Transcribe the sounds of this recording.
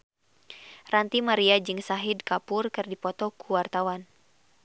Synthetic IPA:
rant̪imaɾiad͡ʒɨŋsaɦidkapʊrkɨrdipɔt̪ɔkuwart̪awan

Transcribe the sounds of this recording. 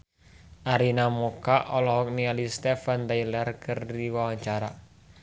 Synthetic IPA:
ʔaɾinamokaʔɔlɔɦɔk̚nialist̪ɛfant̪ajlərkəriwawaɲt͡ʃaɾa

